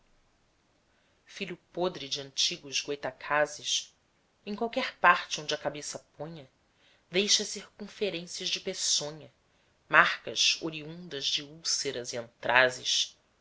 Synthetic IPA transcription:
fiʎʊpod̪ɾɪd͡ʒɪɐ̃nt͡ʃiɡʊʒɡwejt̪akʰazɪʃ | ẽkwawkɛɾpaɾt͡ʃɪõd͡ʒɐkabesɐpõɲɐ | d̪ejʃɐsiɾkũfeɾẽsiɐzd͡ʒɪpesõɲɐ | maχkɐ̰ʃoɾiũnd̪ɐzd͡ʒɪuseɾɐziẽnt̪ɾʔazɪ̰ʃ

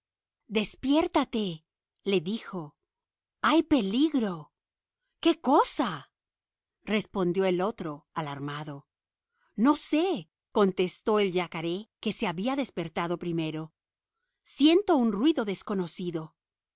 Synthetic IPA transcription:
d̪e̞spje̞ɾt̪at̪e̞ | le̞ðixo̞ | ajpe̞liɣɾo̞ | ke̞ko̞sa | re̞spo̞nd̪jo̞elo̞t̪ɾo̞alaɾmaðo̞ | no̞se̞ | ko̞nt̪e̞st̪o̞eld͡ʒakaɾe̞ke̞se̞aβiaðe̞spe̞ɾt̪aðo̞pɾime̞ɾo̞ | sje̞nt̪o̞unrwiðo̞ðe̞sko̞no̞siðo̞

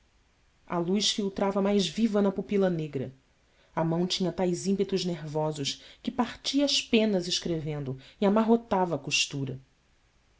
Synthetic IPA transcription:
ɐ̰lujʃfiwt̪ɾavɐmajzvivɐnɐpupilɐneɡɾɐ̰ | ɐmɐ̃w̃t͡ʃĩɲɐt̪ajzĩmpet̪ʊzneɾvɔzʊʃkɪpaɾt͡ʃiɐːʃpẽnɐzɪʃkɾevẽnd̪ʊiamaɦot̪avɐːkuʃt̪uɾɐ

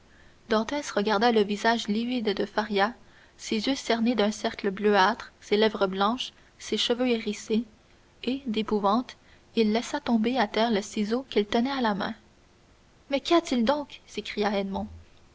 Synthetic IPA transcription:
d̪ɑ̃t̪ɛsʁəɡaʁd̪aləvizaʒlivid̪d̪əfaʁja | sezjøsɛʁned̪œ̃sɛʁkləbløat̪χselɛvʁəblɑ̃ʃ | seʃəvøeʁise | ed̪epuvɑ̃t̪ | ilːɛsat̪ɔ̃beat̪ɛːʁləsizokilt̪ənɛalamɛ̰̃ | mɛkiat̪ild̪ɔ̃ksekχijaɛd̪mɔ̃

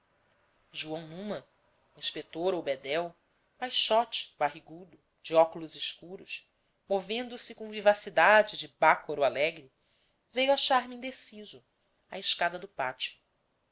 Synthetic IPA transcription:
ʒuɐ̃w̃nũmɐ | ĩʃpet̪oɾowbed̪ɛw | pajʃɔt͡ʃɪ̥baɦiɡud̪ʊ | d͡ʒiɔkulʊziʃkuɾʊʃ | movẽnd̪ʊsɪkõvivasid̪ad͡ʒɪd͡ʒɪbakoɾualɛɡɾi | vejwaʃaɾmiĩd̪esizʊ | a̰ɪʃkad̪ɐd̪ʊpat͡ʃiʊ̥

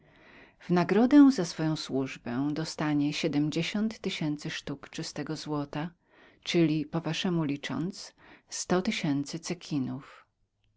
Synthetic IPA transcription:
v̥naɡɾɔd̪ɛw̃zasfɔjɔ̃w̃swuʐbɛ̃d̪ɔst̪aɲɛɕɛd̪ɛmd͡ʑeɕɔnt̪ːɘɕɛnt̪sɘʂt̪ukt͡ʂɘst̪ɛɡɔzwɔt̪a | t͡ʂɘlʲipɔvaʂɛmulʲit͡ʂɔ̰nt̪sst̪ɔt̪ɘɕɛnt̪sɘt̪sɛkʲʰinuf

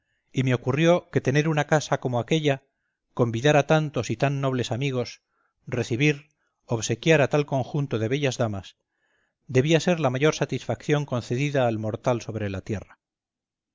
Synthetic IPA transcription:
ime̞o̞kurjo̞ke̞t̪e̞ne̞ɾunakasako̞moake̞ʎa | ko̞mbiðaɾat̪ant̪o̞sit̪anːo̞β̞le̞samiɣ̞o̞s | re̞θiβ̞iɾ | oβse̞kjaɾat̪alko̞ŋxunt̪o̞ðe̞βe̞ʎazðamas | d̪e̞βiase̞ɾlamaʝo̞ɾsat̪isfakθjo̞ŋko̞nθe̞ðiðaːlmo̞ɾt̪also̞βɾe̞lat̪je̞ra

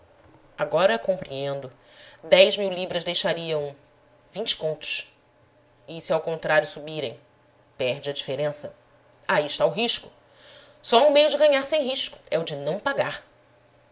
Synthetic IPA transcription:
aɡɔɾɐkõmpɾḭẽnd̪ʊ | d̪ɛjzmiwlibɾɐzd̪ejʃaɾiɐ̃w̃ | vĩɲt͡ʃɪ̥kõnt̪ʊ̥s | ɪsɪawkõnt̪ɾaɾjʊsubiɾḛ̃j̃ | pɛɾd͡ʒɪɐd͡ʒifeɾẽsɐ | aiɪʃt̪aʊɦiʃkʊ | sɔũmejʊd͡ʒɪɡɐ̃ɲaɾsẽj̃ɦiʃkʊ̥ɛʊd͡ʒɪnɐ̃w̃paɡaɾ

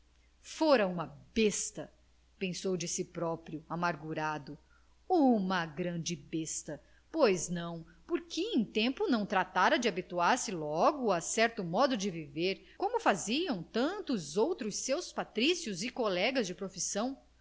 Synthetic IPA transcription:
foɾɐũmɐbest̪ɐ | pẽsowd͡ʒɪsɪpɾɔpɾjʊamaɾɡuɾad̪ʊ | ũmɐɡɾɐ̃d͡ʒɪbest̪ɐ | pojznɐ̃w̃ | poɾkʰɪẽj̃t̪ẽmpʊnɐ̃w̃t̪ɾat̪aɾɐd͡ʒɪabit̪uaɾsɪlɔɡʊasɛɾt̪ʊmɔd̪ʊd͡ʒɪviveɾkõmʊfaziɐ̃w̃t̪ɐ̃t̪ʊzowt̪ɾʊsːewspat̪ɾisiʊzɪkolɛɡɐzd͡ʒɪpɾofisɐ̃w̃

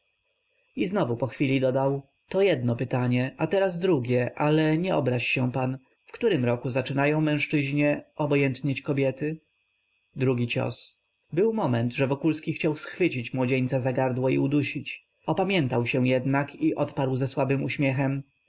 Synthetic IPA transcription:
iznɔvupɔxfʲilʲid̪ɔd̪aw | t̪ɔjɛd̪nɔpɘt̪aɲɛʔat̪ɛɾaz̬d̪ɾuɡʲɛʔalɛɲɛɔbɾaɕɕɛ̃pan | fkt̪uɾɘmɾɔkuzat͡ʂɘnajɔ̃w̃mɛ̃w̃ʂt͡ʂɘʑɲɛʔɔbɔjɛnt̪ɲat͡ɕkɔbʲjɛt̪ɘ | d̪ɾuɡʲit͡ɕɔ̰s | bɘwmɔmɛnt̪ʐɛvɔkulskʲixt͡ɕawsxfɘt͡ɕit͡ɕmwɔd͡ʑeɲt̪sazaɡaɾd̪wɔḭud̪uɕit͡ɕ | ɔpamʲjɛnt̪awɕɛ̃jɛd̪nakʰiʔɔt̪paɾwzɛswabɘmuɕmʲjɛxɛm

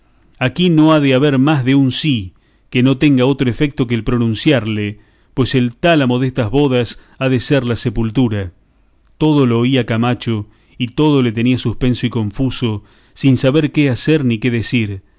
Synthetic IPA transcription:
akino̞aðeaβeɾmazðeunsi | keno̞t̪eŋɡao̞t̪ɾoefek̚t̪o̞k̬eːlpɾo̞nũnsjaɾle | pwe̞selt̪alamo̞ðest̪azβo̞ðas | aðeseɾlasepult̪uɾa | t̪o̞ð̞o̞loːiakamat͡ʃo̞ | it̪o̞ð̞olet̪e̞niasuspe̞nsoiko̞ɱfuso̞ | sinsaβeɾkeaseɾnike̞ðesiɾ

